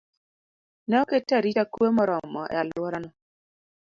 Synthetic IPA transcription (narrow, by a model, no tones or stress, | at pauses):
nɛɔketːaɾit͡ʃakuemɔɾɔmɔʔɛ̰alwɔɾanɔ